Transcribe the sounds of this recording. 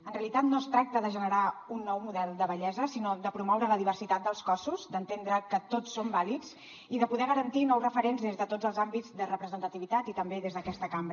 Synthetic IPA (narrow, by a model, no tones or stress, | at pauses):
ənreəlit̪at̪noəst̪ɾak̚t̪əðəʒənəɾaunːɔwmuðɛlˠd̪əβəʎɛzəsinod̪əpɾumɔwɾələðiβərsit̪at̪̚d̪əlˠskɔsuzd̪ənt̪end̪ɾəkət̪otsːombalikz̥ | iðəpuðɛɣ̞əɾənt̪inɔwzrəfəɾenzðezðət̪od͡zəlˠzambid͡zðərəpɾəzənt̪ət̪iβit̪at̪it̪əmbeðezðəkɛst̪əkambɾ